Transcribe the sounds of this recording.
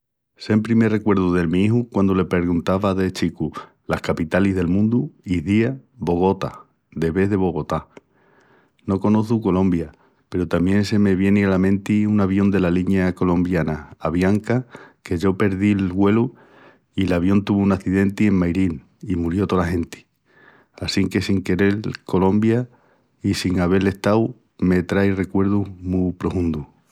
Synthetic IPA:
se̞mpɾimere̞kwe̞ɾðuðe̞lmĩiɦukwand̪ole̞pe̞ɾɣunt̪aβaðe̞t͡ʃiku | lahkapit̪aliɦðe̞lmũnd̪uiðiaβo̞ɣ̞o̞t̪a̰ | d̪e̞βe̞ðe̞β̞o̞ɣ̞o̞t̪a | no̞ko̞no̞θuko̞lõ̞mbja | pe̞ɾut̪amje̞nse̞me̞βje̞nialamẽ̞nt̪iunaβjo̞nd̪e̞laliɲako̞lõ̞mbjanaːβjaŋkake̞ʝo̞pe̞ɾðilɣwe̞lu | ilaβ̞jo̞nt̪uβuunaθiðe̞nt̪ie̞ŋmajɾin | imuɾjo̞t̪olaɦẽ̞nt̪i̥ | asiŋke̞siŋke̞ɾe̞lko̞lo̞mbja | isiŋaβ̞e̞le̞ht̪aw | me̞t̪ɾajre̞kwe̞ɾðumupɾo̞fũnd̪u

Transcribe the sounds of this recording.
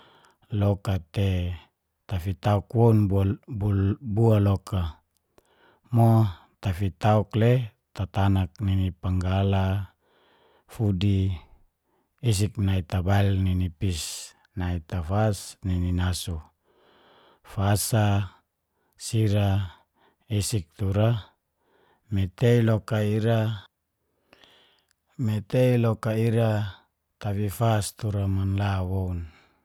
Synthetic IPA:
lokat̪e | t̪afit̪aukwonbububualokʰa | mo | t̪afit̪aukle | t̪at̪anak̚ninipaŋɡala | fudi | s̬iknait̪abailninipis | nait̪afasnininasu | fasa | siɾa | esik̚t̪uɾa | met̪eilokaiɾa | met̪eilokaiɾa | t̪aβifast̪uɾamanlawoun

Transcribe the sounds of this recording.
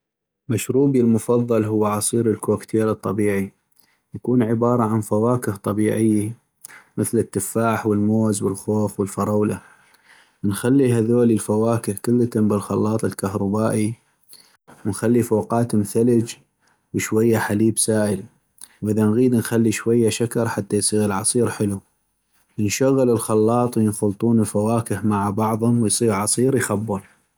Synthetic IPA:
maʃɾuːbilmʊfɑðˤːɑlɦʊwːʕɑsˤiːɾəlkokt̪ʰeːlɨt̪ˤːɑbiːʕi | jakuːnʕɪbɑːɾˤɑʕanfawaːkɪht̪ˤɑbiːʕɪjːa | məθlɪt̪ːɪfːaːħwəlmoːzwəlxoːfwəlfɑɾˤɑwla | nxalːiɦaðoːlilfawaːkɪhkʊlːat̪ambɪlxɑ̰lːɑːt̪ˤɪlkahɾˤɑbaːʔi | wənxalːifoːqɑːt̪mθaləd͡ʒ | wʃwajːaħaliːbsaːʔəl | wʔəðanɣiːd̪nxalːiʃwajːaʃakɑɾˤħat̪ːajsˤiːɣəlʕɑsˤiːɾħɪlu | jənʃaɣːələlxɑlːɑːt̪ˤwjənxʊlt̪ˤuːnɪlfawaːkəhmaʕbɑʕðˤhʊmwɪjsˤiːɣʕɑsˤiːɾjxabːʊl

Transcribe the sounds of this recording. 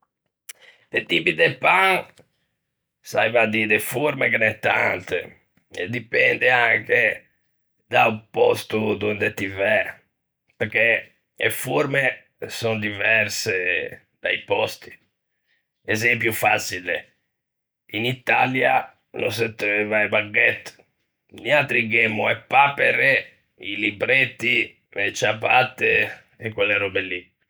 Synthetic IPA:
t̪et̪ipid̪epaŋ | sa̰jvad̪id̪efuɾmekenɛt̪ːant̪ḛ | ḛd̪ːipɛnd̪eaŋke | d̪aupɔst̪ud̪und̪et̪ivɛ | peɾke | ḛfuɾme | sɔnd̪ivɛɾse | d̪̥a̰ipɔst̪i̥ | ɛzɛmp̬jufat͡ʃilḛ | init̪alja | no̰s̬ɛt̪ːevajbaɡːɛt̪ː | nialt̪ɾiɡemːuɛpːapeɾe | ilibɾet̪ːi | let͡ʃapːat̪ːe | ekːwelːeɾɔbelːi

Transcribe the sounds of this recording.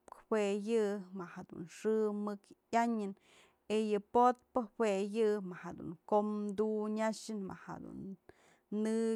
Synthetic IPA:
pkwejɨmahad̪ṵnʂɨmɨkjaɲɨn | ejɨpot̪̚pɨwejɨmahad̪ṵŋkomd̪uɲaʂɨnma̰ha̰d̪ṵnː | ɨ

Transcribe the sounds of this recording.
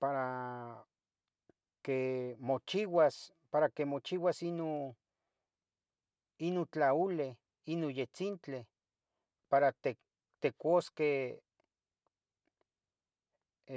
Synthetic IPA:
paɾa | kemot͡ʃiwas | paɾakemot͡ʃiwasino | inot͡ɬaule | inojet͡sint͡ɬe | paɾat̪e | t̪ekoske

